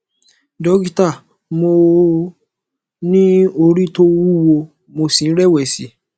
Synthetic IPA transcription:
dɔ˦ɡi˦ta˦˨ | mo˧ | nĩ˦o˧ɾĩ˦to˦wu˦wo˧ | mo˧sĩ˨˦ɾɛ˦˨wɛ˦˨si˨˦

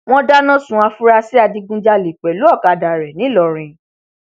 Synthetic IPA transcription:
w̃ɔ̃˦da˦nã˦sũ˧˦a˧fu˦ɾa˧si˦a˧di˧ɡũ˧d͡ʒa˧le˨k͡pɛ˨lu˨˦ɔ˦˨ka˨da˨ɾɛ˨nĩ˨˦lɔ˧ɾ̃ĩ˧

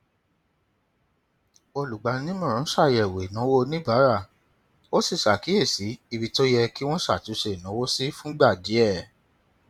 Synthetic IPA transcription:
o˧lu˨ɡ͡ba˨˦nĩ˦mɔ̃˦˨ɾ̃ã˨˦ʃa˦˨jɛ˨we˨nã˨˦wo˦nĩ˦ba˨˦ɾa˦˨ | o˦si˦˨ʃa˨ki˨˦e˦˨si˨˦i˧bi˧to˦jɛ˧ki˦w̃ɔ̃˦ʃa̰˦˨tu˨˦ʃe˨nã˨˦wo˦si˦fũ˦ɡ͡ba˦˨di˨˦ɛ˦˨

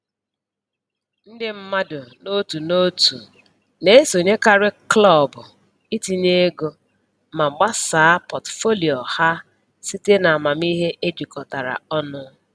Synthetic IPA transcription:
n̩˦dɪ˦m̩˦ma˦dʊ˨no˦tu˨no˦tu˨ | ne˦so˨ɲe˦ka˨ɾɪ˦klɔ˦˨bʊ˨ | i˦ti˨ne˦ɡo˦ | ma˨ŋ͡m̩˨ɡ͡ba˦saː˨˦pɔ˨tfo˦li˨ɔ˨ha˦ | si˦te˦na˨a˨ma˨m̩˦i˦ɦe˦ʔe˦d͡ʒi˨kɔ˨ta˨ɾa̰˨ɔ˦nʊ˦

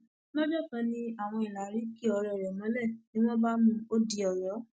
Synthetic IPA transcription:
nɔ̃˦d͡ʒɔ˦˨tã˧˦nĩ˦a˦˨w̃ɔ̃˧i˨la˨ɾi˨˦ki˦ɔ˧ɾɛ˧˨ɾɛ˨mɔ̃˨˦lɛ˦˨nĩ˦w̃ɔ̃˦ba˦nũ˦o˦di˧ɔ˨jɔ˨˦

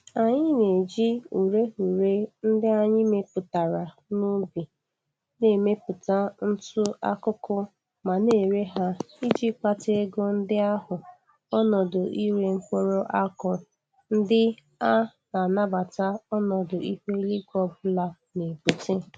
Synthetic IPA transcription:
a˨ɲɪ˦ne˨d͡ʒi˦u˨ɾe˦ɦu˨ɾe˦n̩˦dɪ˦a˨ɲɪ˦me˦pʊ˨ta˨ɾa˨ | nu˦bi˨ | ne˨me˦pʊ˨ta˦n̩˦tʊ˦a̰˦kʊ˦kʊ˦ | ma˨ne˦˨ɾe˦ɦa˦ | i˦d͡ʒi˦k͡pa˦te˦e˦ɡʊ˦n̩˦dɪ˦a˦ɦʊ˨ | ɔ˦nɔ˨dʊ˨ʔi˦ɾe˦ŋ͡m̩˦k͡po˦ɾo˦ʔa˦kʊ˨ | n̩˦dɪ˦ | a˦na˨na˦ba˨ta˦ɔ˦nɔ˨dʊ˨i˦he˦li˦ɡʷɔ˦bʊ˦la˦ | ne˨bu˨te˦

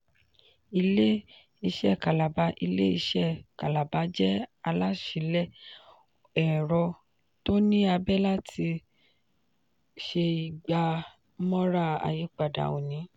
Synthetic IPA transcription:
i˧le˦ | i˧ʃɛ˦˨ka˨la˨ba˧˦ʔi˧le˦i˧ʃɛ˦˨ka˨la˨ba˨˦d͡ʒɛ˦a˧la˦ʃi˨˦lɛ˦˨ | ɛ˨ɾɔ˧ | to˦nĩ˦a˧bɛ˦la˦tʰi˧ | ʃe˧i˨ɡ͡ba˧˦ | mɔ̃˦ɾa˦˨a̰˨ji˨˦k͡pa˨da̰˨o̰˨nĩ˨˦

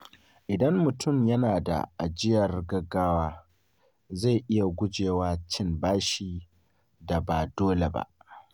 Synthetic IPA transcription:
ʔɪ˨dɐ˦mːʊ˨tʊ˦˨mjɐ˦naː˨da̰˨ʔa˨d͡ʒɪ˦jɐ˨rɡɐ˦ɡːaː˦waː˦ | za˦˨ʔɪ˦ja˨ɡʷʊ˦d͡ʒeː˨waː˦t͡ʃɪ˦mbaː˦ʃiː˦ | da˨baː˨doː˦le˨ba̰˦ʔ

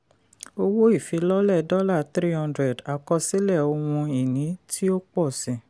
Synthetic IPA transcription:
o˧wo˦i˦˨fi˨˧˦lɔ˦lɛ˦˨dɔ˦la˦˨t̪ɾi˦hɔ̃˧ndɾɛ˨da˨kɔ˧si˦lɛ˦˨o˧w̃ũ˧i˨nĩ˨˦tʰi˦o˦k͡pɔ˦˨sĩ˨

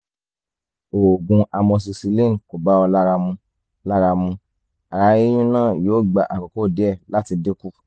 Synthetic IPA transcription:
o˨ɡũ˧ʔa˧mɔ̃˧s̬i˧si˧lĩ˦˨n˨ko˨ba˨˦ɔ˧la˦ɾa˧mũ˧ | la˦ɾa˧mũ˧ | a˨ɾa˧ji˦j̃ũ˦nãː˦˨joː˨˦˨ɡ͡ba˨ʔa˨ko˨ko˦˨de˦ɛ˦˨la˦ti˧de˦ku˦

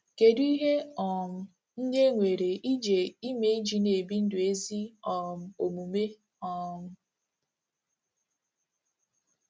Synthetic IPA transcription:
ke˨du˦i˦ɦe˦ɔ˨m̩˨ | n̩˦ne˦ŋʷe˨ɾe˨ʔi˦d͡ʒe˨i˦me˨i˦d͡ʒi˨ne˨bi˦n̩˦dʊ˨e˦zi˦ɔ˨m̩˨o˨mu˨me˦ | ɔ˨m̩˦

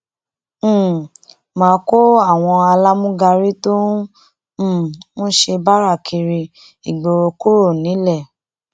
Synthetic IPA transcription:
mãː˨˦ko˦a˦˨w̃ɔ̃˧a˧la˦mũ˦ɡa˧ɾi˦tõ˦˨ | mɔ̃˦ʃe˧ba˦ɾa˦˨kʰi˧ɾi˧ | i˨ɡ͡bo˨ɾo˧ku˦ɾo˦˨nĩ˨˦lɛ˦˨

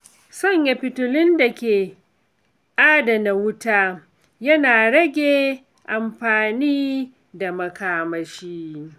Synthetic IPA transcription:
sɔ˦˨ɲja˨ɸɪ˨tʊ˨lɪ˦nda˨kʲeː˨ | ʔaː˦da˨na˨wʊ˦taː˦ | jɐ˦naː˨ɽɐ˦ɡʲeː˨ | ʔa˨mɸaː˨niː˦ | da˨mɐ˨kaː˨mɐ˨ʃiː˦

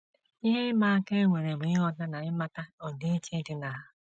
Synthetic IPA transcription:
i˦ɦe˦ma˦ke˦ŋʷe˨ɾe˨m˨ɪ˦ɔ˦da˦na˨ɪ˦ma˦ta˦ɔ˨de˦t͡ʃe˦dɪ˦na˨ɦa˦

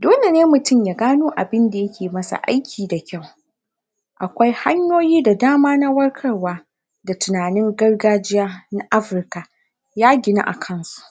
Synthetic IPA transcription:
doː˦le˨neː˦mʊ˨tʊ˦˨mjaː˨ɡaː˦noː˦ʔa˨bɪ˦nda˨jɐ˦kʲʰeː˨mɐ˦sa̰˨ʔa̰˦jkʲʰiː˨da˨kʲa˦˨w | ʔa˨kʷa˦jha˦ɲjoː˦jiː˦da˨daː˦maː˦na˦wɐ˦rkʰɐ˦rwaː˦ | da˨tʊ˨naː˨nɪ˦ŋɡɐ˦rɡaː˦d͡ʒɪ˦jaː˦na˦ʔa˦ɸɪ˨rka˨ | jaː˦ɡʲɪ˨na̰˦ʔa˨kʰɐ˦nsu̥˦ʔ

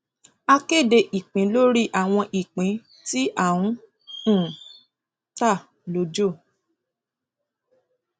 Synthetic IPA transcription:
a˧ke˦˨de˧ʔi˨k͡pĩ˨˦lo˦ɾi˦ʔa˦˨w̃ɔ̃˧ʔi˨k͡pĩ˨˦ | ti˦ʔa˦˨wũ˨˦˨ | ta˦˨ | lo˨˦d͡ʒo˦˨

